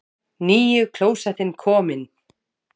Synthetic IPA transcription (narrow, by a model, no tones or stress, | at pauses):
niːjʏkʰl̥oːwsaθɪnkʰɔːmɪn